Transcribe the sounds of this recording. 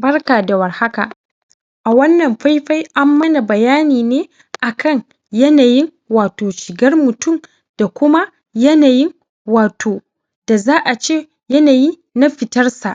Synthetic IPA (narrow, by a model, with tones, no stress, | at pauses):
bɐ˦rkaː˨da˨wɐ˨rha˦ka̰˨ʔ | ʔa˨wɐ˦nːɐ˨mɸa˦jɸa˦jʔa˦mːɐ˦na˨bɐ˨jaː˦niː˨neː˦ | ʔa˨kʰɐ˦˨ɲ | jɐ˦naː˨jɪ˦ŋ | waː˨toː˨ʃɪ˨ɡɐ˦rmʊ˨tʊ˦˨m | d̥a˨kʷʊ˦ma˦ | jɐ˦naː˨jɪ˦ŋ | waː˨tʰoː˨ | d̥a˨zaː˦ʔa˨t͡ʃeː˦ | jɐ˦naː˨jiː˦ | na˦ɸɪ˨tɐ˦rsa˨ʔ